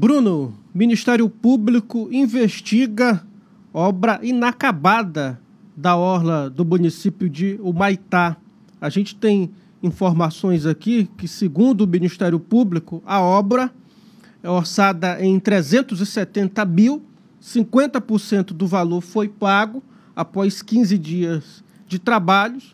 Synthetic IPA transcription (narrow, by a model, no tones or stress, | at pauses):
bɾũnʊmĩniʃt̪ɛɾjʊpublikʊĩveʃt͡ʃiɡɐ | ɔbɾɐʔinakabad̪ɐ | d̪ɐɔɾlɐd̪ʊmũnisipjʊd͡ʒɪʊmajt̪a | aʒẽnt͡ʃɪ̥t̪ẽj̃ | ĩfoɾmasõj̃zakikɪsɪɡũnd̪ʊmĩnist̪ɛɾjʊpublikʊʔɐɔbɾɐ | ɛoɾsad̪ɐʔẽj̃t̪ɾezẽnt̪ʊzɪsɛt̪ẽnt̪ɐmiw | sĩŋkwẽnt̪ɐpʊɾsẽnt̪ʊd̪ʊvaloɾfojpaɡʊ | apɔjskĩzɪd͡ʒiɐz | d͡ʒɪt̪ɾabaʎʊs